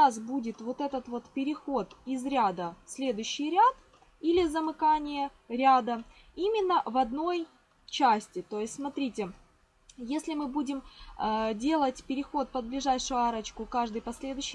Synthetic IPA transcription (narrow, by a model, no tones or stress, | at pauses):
asbudʲɪt̪vo̞t̪ɛt̪ət̪vo̞t̪pʲɪɾʲɪxo̞t̪ɪzɾʲad̪əfsʲlʲe̞d̪ʊjɕːɪjɾʲat̪ | ilʲɪzəmɨkanʲɪjə | ɾʲad̪ə | imʲɪnːəvɐd̪no̞j | t͡ɕasʲtʲɪt̪o̞jɪsʲtʲsmɐt̪ɾʲitʲɪ | jesʲlʲɪmɨbudʲɪm | dʲe̞lˠətʲpʲɪɾʲɪxo̞t̪̚pəd̪̚blʲɪʐajʂʊjʊaɾət͡ɕkʊkaʐd̪ɨjpɐsʲlʲe̞d̪ʊɕːɪ